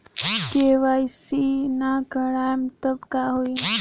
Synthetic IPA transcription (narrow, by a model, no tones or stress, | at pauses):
keʋajsinakəɽajmt̪əbkaɦoi